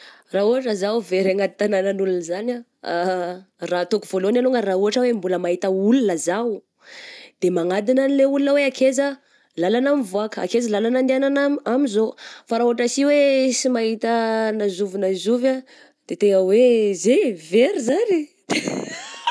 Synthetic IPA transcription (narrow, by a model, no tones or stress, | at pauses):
rauaʈ͡ʂəzawveɾaŋad̪i̥t̪ananənulunzana | rat̪okuv̥oloanaloŋərauɦaʈ͡ʂəwembuləmaɦit̪əulunəzaw | d̪̥emaŋad̪inanileulunəweakʰezə | lalanamivuakəa̰kezalalanand̪iananamamizofaɾauaʈ͡ʂasiwesimaɦit̪ənazuvinazuva | d̪̥et̪eŋəwezeveɾizanid̪̥e